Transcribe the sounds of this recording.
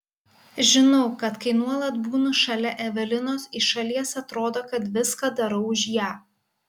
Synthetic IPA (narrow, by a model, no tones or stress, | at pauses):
ʒʲɪnɔʊkɐt̪kɐɪnuɔlˠɐt̪buːnʊʃɐlʲɛʔɛʋʲɛlʲɪnoːsɪʃɐlʲiɛsɐt̪ɾoːd̪oːkɐt̪ʋʲɪskɐd̪ɐɾɐʊʊʃʲjæː